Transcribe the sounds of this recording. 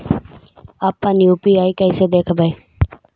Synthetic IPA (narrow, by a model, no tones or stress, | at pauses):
aːpːãːniːuːpiːaːiːkɛɪseːd̪eːkʰbəeː